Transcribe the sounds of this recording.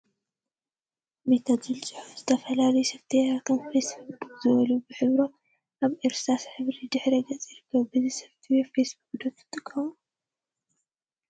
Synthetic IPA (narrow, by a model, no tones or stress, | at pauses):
met̪ʰad̪zɨlt͡sʼɨħufz̥ɨt̪ʰɐfɐlalɐjusɐβt̪ʰijat̪ʰomfesbbukkʼzɨβɐluubɨħɨβɾo | ʔaβʔeɾsasħɨβɾid̪ɨħɾeɡɐt͡sʼjiɾɨkːɐβbɨzisɐβt̪ʰijefesbuk̚ʼd̪ot̪ːɨ̥t̪ʼɨkʼʰːɐmu